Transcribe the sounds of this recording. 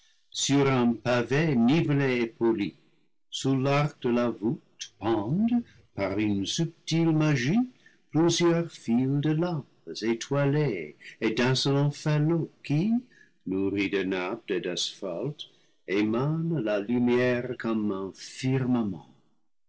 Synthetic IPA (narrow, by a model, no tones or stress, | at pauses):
syɾɛ̃pavenivleepoli | sulark̚d̪əlavutpɑ̃d̪ | paʁynsyp̚tilmaʒiplyzjœʁfild̪əlɑ̃pzetʰwaleedɛ̃səlɔ̃fɛloki | nuʁidənap̚tedɛsfa̰lt | emanlalymjɛʁkɔmɛ̃fiʁmamɑ̰̃